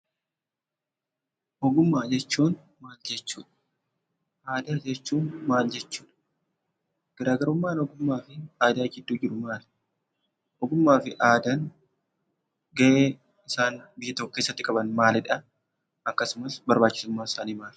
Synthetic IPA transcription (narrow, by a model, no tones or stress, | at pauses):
hɔɡʊmːaːd͡ʒɛt͡ʃːuːn | maːld͡ʒɛt͡ʃːṵːᶑɐ̥ | ʔaːd̪aːd͡ʒɛt͡ʃːuːnmaːld͡ʒɛt͡ʃːuːᶑɐ̥ | ɡ̥ɐɾaːɡɐɾʊmːaːnɔɡʊmːaːfɪaːd̪aːɡɪd̪ːuːd͡ʒɪɾʊmaːl | hɔɡʊmːaːfɪʔaːd̪ɐn | ɡɐʔeː | ɪsaːnbɪjːɐt̪ɔkːʊkːeːsːɐt̪ːɪkʼɐbɐnmaːlɪᶑɐ | ʔɐkːɐsʊmɐsbɐɾbaːt͡ʃːɪ̥sʊmːaːɪsaːniːmaːl